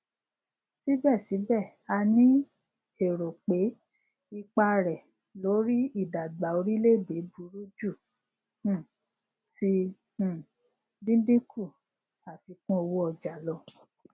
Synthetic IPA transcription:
si˦bɛ˦˨si˨˦bɛ˦˨ | a˧nĩ˦ | e˦˨ɾo˨k͡pe˨˦ | i˧k͡pa˧ɾɛ˨ | lo˨˦ɾi˦i˦˨da˨ɡ͡ba˨o˧ɾi˦le˦˨de˨˦bu˨˦ɾu˦d͡ʒũ˦˨˦ | tĩ˧˦˨ | dĩ˦dĩ˦ku˦˨ | a˨fi˧˦kũ˦o˧wo˦ɔ˧d͡ʒa˨lɔ˧˦

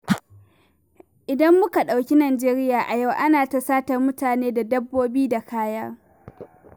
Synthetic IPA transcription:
ʔɪ˨dɐ˦mːʊ˦ka˨ɗa˨wkʲi˦naː˨d͡ʒeː˦ɾɪ˦jaː˨ʔa˨ja˦˨wʔa˦naː˨ta˦saː˦tɐ˨rmʊ˦taː˨neː˦da˨dɐ˦bːoː˦biː˦da˨kaː˦jaː˦

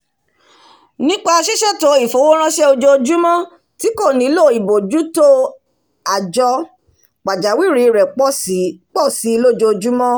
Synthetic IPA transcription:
nĩ˦k͡pa˦a˧ʃi˦ʃɛ˦˨to˨˦i˦˨fo˨˦wo˦ɾ̃ã˦ʃɛ˦o˧d͡ʒo˧o˧d͡ʒu˦mɔ̃˦ | ti˨˦ko˦˨nĩ˨˦lo˦˨i˨bo˨d͡ʒu˦to˦ | a˨d͡ʒɔ˧ | k͡pa˨d͡ʒa˨˦wi˦˨ɾi˨˦˨ɾɛ˨k͡pɔ˦˨k͡pɔ˦˨si˨˦˧lo˦˨d͡ʒo˧o˧d͡ʒu˦mɔ̃˦

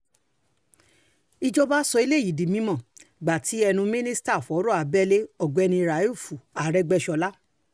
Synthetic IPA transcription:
i˧d͡ʒɔ˦ba˦sɔ˧i˧le˦˨i˨di˨mĩ˨˦mɔ̃˨ɡ͡ba˨tʰi˨˦ɛ˧nũ˧mĩ˦nĩ˦sta˦˨fɔ˨˦ɾɔ˦˨a˨bɛ˦le˦ɔ˦˨ɡ͡bɔ˨˧ɛ˧nĩ˧ɾa˨˦jfu˨a˨ɾɛ˧˦ɡ͡bɛ˧˦ʃɔ˧la˦

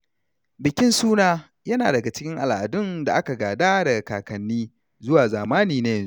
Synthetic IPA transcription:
bɪ˨kʲɪ˦nsuː˦naː˦ | jɐ˦naː˨dɐ˨ɡa˨t͡ʃɪ̥˦kʲɪ˦ŋʔa˨lʔa˨dʊ˦nda˨ʔa˦ka˨ɡaː˨daː˦da˨kaː˨kɐ˨nːiː˦ | zʊ˦waː˨zaː˨maː˦niː˨na˦jɐ˦˨nzu˦

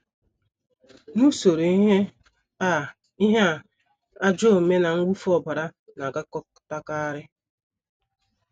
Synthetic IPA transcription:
nu˦so˨ɾo˨i˦ɦe˦ | a˦˨ | i˦ɦe˦˨ | a˦d͡ʒo˦˨me˦na˨ŋ̩˦ɡ͡bu˦fɔ˦ba˨ɾa˦na˨ɡa˦kɔ˦ | ta˦ka˦a˦ɾɪ˦

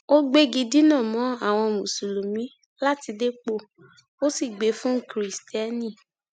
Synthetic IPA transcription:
o˦ɡ͡be˦ɡi˧di˦nã˦˨mɔ̃˨˦a˦˨w̃ɔ̃˧mũ˨su˨lu˨mĩ˨˦ | la˦ti˧de˦k͡po˦˨ | o˦si˦˨ɡ͡be˨˦fũ˦kɾi˨stɛ˦nĩ˦˨

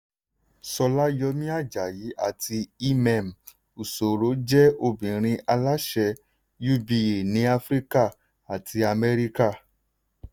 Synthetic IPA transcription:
sɔ˧la˦jɔ˧mĩ˦a˦˨d͡ʒa˨ji˨˦ʔa˦˨tʰi˧i˦mɛ̃˨m̩˨ | u˨so˨ɾo˨˦d͡ʒɛ˦o˧bĩ˨ɾ̃ĩ˧a˧la˦ʃɛ˧ | ju˦bi˧e˨nĩ˨˦a˦˧fɾi˦ka˦˨ | a˨tʰi˧a˧mɛ˦ɾi˦ka˦˨

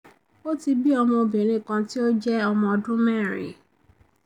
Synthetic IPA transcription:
o˦ti˧bi˦ɔ˧mɔ̃˧o˧bĩ˨ɾ̃ĩ˨˦˨kã˧ti˦o˦d͡ʒɛ˦ɔ˧mɔ̃˧dũ˦mɛ˦˨ɾ̃ḭ̃˨

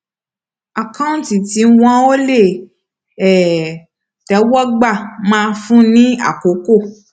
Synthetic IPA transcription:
a˨kã˦ũ˦n˨ti˨ti˨˦w̃ɔ̃˦o˦le˦˨ | ɛ˨ | tɛ˨˦wɔ˦ɡ͡ba˦˨mãː˦˧fũ˦nĩ˦a̰˦˨ko˨˦ko˦˨

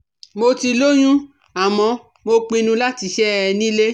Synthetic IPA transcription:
mo˧ti˧lo˦j̃ũ˦ | a˨mɔ̃˧ | mo˧k͡pĩ˧nũ˧la˦ti˧ʃɛ˦ɛ˧nĩ˦le˦

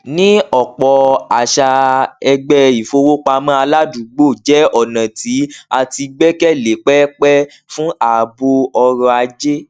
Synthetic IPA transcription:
nĩ˦ɔ˨k͡pɔ˨a˨ʃa˧ɛ˧ɡ͡bɛ˧i˨fo˧wo˦k͡pa˧mã˦a˧la˦du˨ɡ͡bo˦˨d͡ʒɛ˨˦ɔ˦˨nã˨ti˨˦a˧ti˧ɡ͡bɛ˦kɛ˦˨le˨˦k͡pɛ˦k͡pɛ˦ | fũ˦a˨bo˧ɔ˧ɾɔ˧a˧d͡ʒe˦

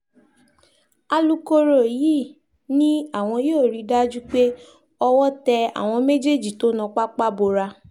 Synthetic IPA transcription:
a˧lu˧ko˧ɾo˨ji˦ | nĩ˦a˦˨w̃ɔ̃˧joː˦˨ɾi˨˧da˦d͡ʒu˦k͡pe˦ | ɔ˧wɔ˦tɛ˧a̰˨w̃ɔ̃˧me˦d͡ʒe˦˨d͡ʒi˨to˨˦nã˨˧k͡pa˦k͡pa˦bo˧ɾa˧

